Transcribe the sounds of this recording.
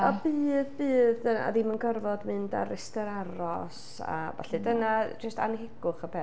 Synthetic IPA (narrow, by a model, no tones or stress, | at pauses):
ɔbɨːðbɨːðəa̰dimənɡɔrvɔdmɨnda̰ɾɛstɛɾaɾɔs | a̰va̰ɬɨdənad͡ʒəstʰa̰nɦɪɡʊχəpʰɛ